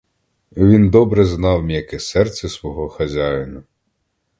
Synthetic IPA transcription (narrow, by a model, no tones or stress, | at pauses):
ʋʲind̪ɔbɾɛznɑwmʲijɐkɛsɛrt̪sʲɛsʋɔɦɔxɐzʲajnɐ